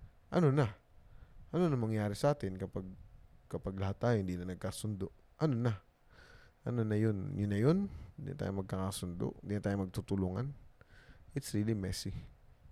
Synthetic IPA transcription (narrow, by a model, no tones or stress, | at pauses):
ʔɐnona | ʔɐnonɐŋmɐŋjaːɾɪsɐʔaːt̪ɪnkɐpaɡ̚kɐpaɡlɐɦat̪ːaːjohɪnd̪inɐnɐɡ̚kaːsʊnd̪oʔ | ʔɐnona | ʔɐnonɐjonjʊnːɐjonnd̪ḭna̰t̪a̰jomɐɡ̚kakasʊnd̪o̰ʔɪnd̪iːnat̪aːjomɐɡ̚t̪ut̪ʊluːŋan | ʔɪt̪sɐɾiːlɪmɛsi